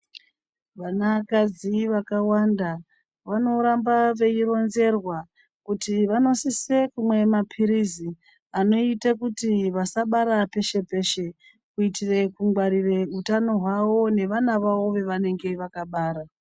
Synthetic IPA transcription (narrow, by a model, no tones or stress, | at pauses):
ʋanakad͡ziʋakawanda | ʋano̞ɾambaʋe̞iɾo̞nze̞rwa | kutiʋano̞sise̞kumwe̞mapʰiɾizi | ano̞itakutiʋasaɓaɾape̞ʃe̞pe̞ʃe̞ | kuitire̞kuŋɡwaɾiʋe̞utano̞ɦwawo̞ne̞ʋanaʋao̞ʋe̞ʋane̞ŋɡe̞ʋakaɓaːɾa